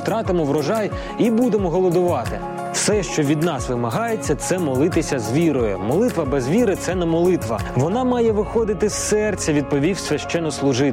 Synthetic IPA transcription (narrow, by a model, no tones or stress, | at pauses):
t̪ɾɑt̪ɪmɔʋɾɔʒɑj | ibud̪emɔɦɔlˠɔd̪ʊʋɑt̪ɪ | fsɛʃt͡ʃɔʋʲid̪nɑsʋɪmɐɦɑjet͡sʲːɐt̪sɛmɔlˠɪt̪ɪsʲɐzʋʲiɾɔjɛmɔlˠɪt̪ʋɐbɛzʋʲiɾɪt̪sɛnɛmɔlˠɪt̪ʋɐʋɔnɑmɑjɛʋɪxɔd̪ɪt̪ɪsːɛrt͡sʲːɐʋʲid̪̚pɔʋʲiwsʲʋʲɐʃt͡ʃɛnːɔslˠʊʒɪ